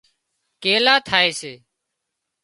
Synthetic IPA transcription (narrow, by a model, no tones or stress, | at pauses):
keːlaːt̪ʰaːeːseː